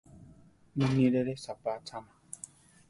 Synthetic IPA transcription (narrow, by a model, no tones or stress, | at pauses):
nĩniɾeɾesapatʰana